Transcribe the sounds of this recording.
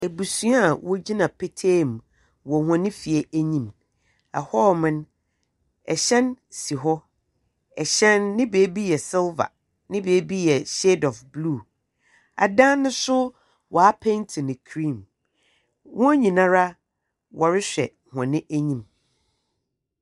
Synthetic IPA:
e˨bu˨sũ˦a˦˨wɔ˦d͡ʑi˦nã˨pʰe˦tʰeː˦˨m˨ | wɔ˨hɔ̃˨nɪ̃˦fi˨ɛ˦æ˦ɲĩ˦m | a̰˨hɔ˦mɪ̃˦n | ɛ˨ɕɛ̃˦nsi˨ɦɔ˦ | ɛ˨ɕɛ̃˦nːɪ̃˦beː˨˦bi˦jɛ˨sɪ˦lva̰˨ | nɪ̃˦beː˨˦bi˦jɛ˨ɕe˦dɔ˨fblu˦˨ | a̰˨dã˦nːʊ̃˦sʊ˦ | wʔɔ˨a˦pʰɛ̃˦ntʰɪ˨nɪ̃˨kʰɾĩ˦˨m | wɔ̃˦ɲĩ˨nã˦ɾa˦ | wʔɔ˨ɾɪ˦ɕᶣɛ̰˨ | hɔ̃˨nɪ̃˦ʔæ˦ɲĩ˦m

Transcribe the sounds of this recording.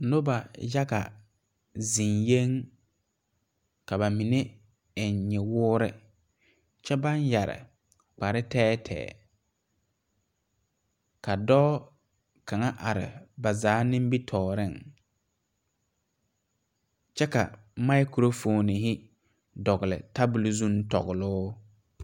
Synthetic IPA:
nʊ˦ba˨ja˦ka̰˨ | zi˨nje˦ŋ | ka˨ba˨mi˨ne˦ | ɪ˨nɲɛ˨wʊː˦ɾɪ̰˦ | t͡ʃɛ˦ba˦nja˨ɾɪ̰˨ | k͡pa˨ɾɪ˦tɛː˦tʰɛ̰ː˨ | ka˨dɔː˦ | ka˨ŋa˦ʔa˨ɾɪ̰˨ba˨zaː˨˦nɪ̃˦m˦bi˦tʰɔː˨ɾɪ˦ŋ | t͡ʃɛ˦ka̰˨ | ma˦ɪ˦kɾo˦foː˨nɪ˨ɦɪ˦ | dɔ˨ɣɪ˨lɪ̰˨ta˦bʊ˨lzu˦n˦tɔ̰˨ɣʊ˨lʊː˦

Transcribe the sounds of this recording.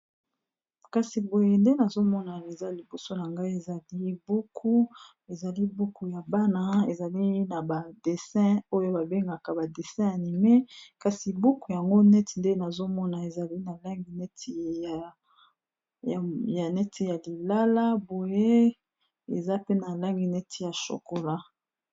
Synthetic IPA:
ka˨si˨bo˨je˦nde˦na˨zo˦mɔ˦na˨e˨za˦li˨bo˨so˦na˨ŋɡa˦i˦e˨za˨li˦bu˦kʰu˦ | e˨za˨li˦bu˦ku˦ja˨ba˦na˦e˨za˨li˦na˨ba˨de˨sɛ̃˦o˦jo˦ba˨be˦ŋɡa˨ka˨ba˨de˨sɛ̃˦a˨ni˨me˦ka˨si˨bu˦ku˨ja˨ŋɡo˦nɛ˦ti˨nde˦na˨zo˦mɔ˦na˨e˨za˨li˦na˨la˦ŋɡi˨nɛ˦tʰi˨ | ja˨nɛ˦tʰi˦ja˨li˨la˦la˦bo˨je˦ | e˨za˦pe˦na˨la˦ŋɡi˨nɛ˦tʰi˨ja˨ʃo̰˨ko˨la˦

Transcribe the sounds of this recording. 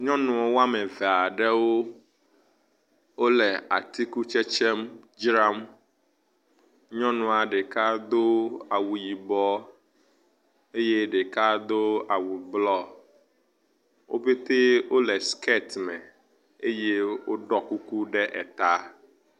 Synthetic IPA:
ɲɔ̃˦nũ˨ɔ˨wa˦mɛ̃˨vɛ˨a˨ɖɛ˦wo˦ | wo˦lɛ˨a̰˨t̪i˦ku˦t͡ʃɛ˦t͡ʃɛ˦m | d͡ʒɾa˦m | ɲɔ̃˦nũ˨a˨ɖe˨ka˦d̪o˦a˨wu˨ji˨bɔ˦ | e˦je˦ɖe˨ka˦d̪o˦a˨wu˨blɔ˦ | wʔo̰˦be˦t̪e˦wo˦lɛ˨ske˦t̪mɛ˨ | e˦je˦wo˦ɖɔ˦ku˦ku˦ɖɛ˦ʔɛ̰˨t̪a˦

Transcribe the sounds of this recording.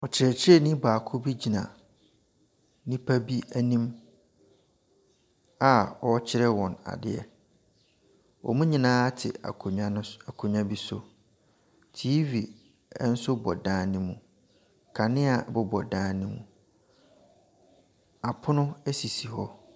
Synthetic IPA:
ɔ˨t͡ɕʰɪ˨ɾɛ˨t͡ɕʰɪ˦ɾɛ˦˨nĩ˦baː˨kʰʊ˦bi˦d͡ʑi˨nã˨ | nĩ˦pʰa˦bi˦æ˦nĩ˦m | a˨ɔ˦t͡ɕʰɪ˦ɾɛ˦wɔ̃˨na̰˨dɪ̰˦ɛ̰˨ | ɔ̰˨mũ˦ɲĩ˨nãː˦tʰɪ̰˨a̰˨kʰɲa˦n˦a˨kʰʊ˨ɲã˦bi˦sʊ˨ | tʰiː˦vi˨ | ɛ˦n̩˦sʊ˦bɔ̰˨dãː˦˨nĩ˦mũ˨ | kʰa˨nɪ̃˦a˨bʊ˦bɔ˨dãː˨˦nĩ˦mũ˨ | a˨pʰʊ˦nʊ̃˦ɛ˦si˨si˨hɔ˦

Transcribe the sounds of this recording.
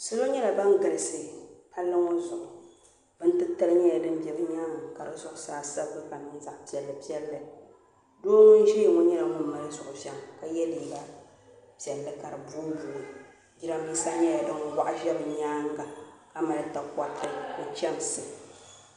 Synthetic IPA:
sɨ˦lo˦ɲɛ˦la˨ba˦ŋ˦ɡɨ˨lɨ˨sɨ˨pa˦lːɨ˦ŋo˦zʊ˨ʔʊ˨ | b̥ɨ˦n̩˦tɨ˦tɨ˦lɨ˦ɲɛ˦ja˨dɨ˦m˦bɛ˨bɨ˦ɲaː˦ŋa˨ka˨ɾɨ˨zʊ˦ʔʊ˨saː˦sa˦bɨ˦ɡɨ˦ka˨nɨ˦n˦za˨ʔpi˦ɛ˨lːɨ˨pi˦ɛ˦lːɨ˦ | doː˦mʊ˦n˦ʒɛ˦˨ŋo˦ɲɛ˦la˨ŋʊ˦˨mɨ˨ɾɨ˦zʊ˨ʔʊ˨ʒɛ˨mka˨jɛ˦liː˨ba˨ | pi˨ɛ˨lːɨ˦ka˨ɾɨ˨buː˦bu˨ | ɡʲi˦ɾa˦mi˦sa˦ɲɛ˦ja˨dɨ˦ŋ˨wa˦ʔa˦ʒɛ˦bɨ˨ɲaː˦ŋɡa˨ka˦ma˨ɾɨ˨ta˨ka˦tːɨ˦kʊ˨t͡ʃɛ˦m˨sɨ˨

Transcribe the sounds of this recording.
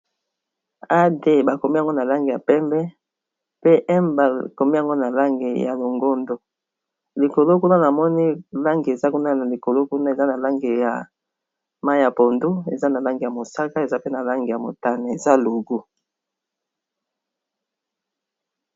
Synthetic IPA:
a˦de˦˨ba˨ko˨mi˦a˨ŋɡo˦na˨la˦ŋɡe˨ja˨pɛ˦mbɛ˦ | pe˦ʔɛ˦mba˨ko˨mi˦ja˨ŋɡo˦na˨la˦ŋɡe˨ja̰˨lo˨ŋɡo˦ndo˨ | li˨ko˨lo˦ku˦na˦na˨mɔ˦ni˦la˦ŋɡi˨e˨za˦ku˦na˦na˨li˨ko˨lo˦ku˦na˦e˨za˦na˨la˦ŋɡe˨ja̰˨ | ma˦a˨po˨ndu˦e˨za˦na˨la˦ŋɡe˨ja˨mo˨sa˦ka˦e˨za˦pe˦na˨la˦ŋɡe˨ja˨mo̰˨ta˦ne˨e˨za˦lu˨ɡu˦

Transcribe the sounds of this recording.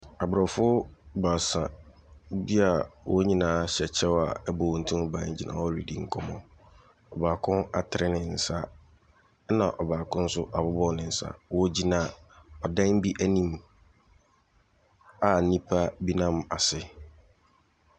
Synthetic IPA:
a˨bɾɔ˨fʊ˦ba˨sã˨ | bi˦a˨wʔɔ˦ɲĩ˦nãː˨˦ɕɛ˨t͡ɕʰɛ˦wa̰˨ɛ˦bɔ˨ɔ̃˨n̩˨tʰũ˦m˦bã˦˨d͡ʑi˨nã̰ː˨wɔ˦˨li˨di˨ŋ̩˦kʰɔ˦mɔ̃˨ | ɔ˨baː˨kʰʊ̃˦na̰˨tʰɪ˨ɾɪ˦nɪ̃˨n̩˨sa˦ | nã˨ʔɔ˨baː˨kʰʊ̃˦n̩˦sʊ˦ʔa˨bʊ˦bɔ˦nɪ̃˨n̩˨sa̰˦wɔ˦d͡ʑi˦nã˨ɔ˨dã˦ŋ˦bi˦ʔæ˦nĩ˦m | a˨nĩ˦pʰa˦bi˦nã˦m˨a˨sɪ˦

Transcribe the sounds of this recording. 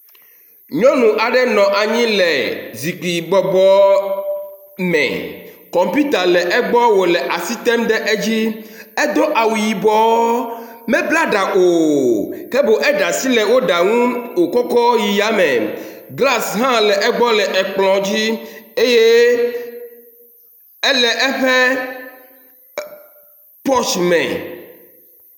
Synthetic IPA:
ɲɔ̃˦nũ˨ʔa˨ɖɛ˦nɔ̃˨ʔa˨ɲĩ˦lɛ˨zi˨ɡ͡bi˨ɡ͡bɔ˨ɡ͡bɔ˦ | mɛ̰˨kɔ̃˨mpu˦t̪a˨lɛ˨ʔɛ˦ɡ͡bɔ˦wo˨lɛ˨ʔa˨si˦t̪ɛ˦mɖɛ˦ʔe˦d͡ʑi˦ɛ˦d̪o˦ʔa˨wu˨ji˨bɔ˦ | mɛ̃˦bla˦ɖa˨ʔo˨kɛ˦bo˨ʔɛ˦ɖa˨si˦lɛ˨wo˦ɖa˨ŋũ˦wo˨kɔ˦kɔ˦ji˨ja˦mɛ̰̃˨ɡla˦sɦã˦lɛ˨ʔɛ˦ɡ͡bɔ˦lɛ˨ʔɛ˨k͡plɔ̃˨d͡ʑi˦e˦je˦ | ɛ˦lɛ˨ʔɛ˦ɸɛ˦ | pɔ˦t͡ʃmɛ̰̃˨

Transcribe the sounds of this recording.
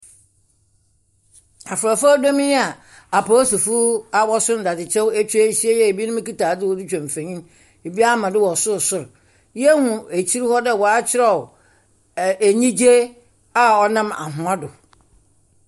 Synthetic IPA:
a˨fʊ˨ɾa˨fa˦da˦mĩ˦a˨ | a˨pʰo˦sɔ˨fu˦a˨wɔ˦sʊ̃˦n˨da˨dɪ˨t͡ɕʰɛ˦wt͡ɕʰᶣi˦e˦ɕi˦e˦jɛ˦e˨bi˦nʊ̃˦m˦ki˦taː˨dɪ˦wɔ˦dɪ˦t͡ɕᶣã˨m˨fẽ˨ɲĩ˦m˦ | e˨bi˦a˦mã˨dɪ˦wɔ˨sʊ˦ɾsʊ˨ɾ | jɛ˦hʊ̃˨e˨t͡ɕʰi˦ɾi˦hɔ˦dɛ˦˨wɔ˨a˦t͡ɕʰɪ˦ɾɛ˨ | æ˨ɲĩ˦d͡ʑe˦ | a˨ɔ˨nã˦ma̰˨ɦʊ̃˨a˦dʊ˨

